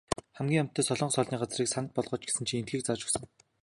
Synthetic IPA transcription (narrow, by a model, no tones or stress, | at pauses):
χæmɡʲiːŋam̥t̪ʰːœːsɔɮɞ̆ɴɢsɔɮniːɢat͡sriːksanə̆t̪̚pɔɮʁɞ̆ːt͡ɕɡ̥e̥sɘ̆nt͡ɕʰient̪̚ɡiːk̚t͡sat͡ɕɵ̥̆ksɞ̆ŋ